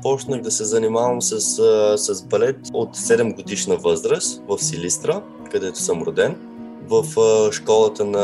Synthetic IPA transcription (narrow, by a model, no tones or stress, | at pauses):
pɔt͡ʃnəxd̪ɐsɛzɐnimavəmsɐssɐzbɐlɛt̪ot̪sɛd̪ɛmɡod̪iʃnəvɤzɾəst̪vɐfsilʲist̪ɾə | kɐd̪ɛt̪o̥səmɾʊd̪ɛn | vɐfʃkɔlˠət̪ənɐ